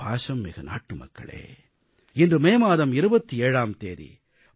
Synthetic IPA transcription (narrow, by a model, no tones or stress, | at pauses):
aːʂɐmːɪɣɐna̰ːʈːɯmɐ̰kːɐ̰ɭḛː | ɪndrɯmeːmaːðɐmɪɾɯbɐt̪ːieːɻaːmt̪eːðḭ